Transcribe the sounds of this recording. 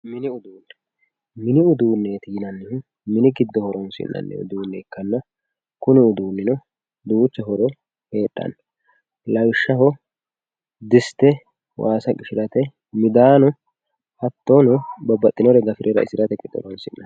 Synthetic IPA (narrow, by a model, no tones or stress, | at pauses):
mɪnɪʊd̪uːnːɛ̥ | mɪnɪʊd̪uːnːe̞ːt̪ɪjɪnɐnːɪhʊ | mɪnɪɡɪd̪ːɔhɔɾɔnsɪ̰nːɐ̰nːɛ̰ʊ̰d̪uːnːɛːkːɐnːɐ | kʊnɪʊd̪uːnːɪnɔ | d̪uːt͡ʃːɛɦɔɾɔ | he̞ːɗːɐ̰n | lɐwʃːɐhɔ | d̪ɪst̪ɛ | waːsɐkʼɪʃɪɾɐt̪ɛ | mɪd̪aːnɔ | hɐt̪ːonɔbɐbːɐt̪ʼːɪnɔɾɛɡɐfɪɾʔɛɾɐ̰ɪ̰sɪɾɐt̪ɛkʼɪd̪ːɔ̰ɾɔnsɪ̰nːɐn